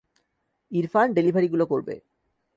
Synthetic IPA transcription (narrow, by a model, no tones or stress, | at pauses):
iɾfanɖelibʱaɾiɡulokoɾbḛ